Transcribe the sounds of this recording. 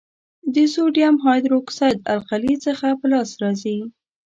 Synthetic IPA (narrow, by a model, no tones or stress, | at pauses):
d̪əsoɖjamɦɑjd̪ɾoksajd̪a̰lqalit͡səxapəlɑsɾɑzi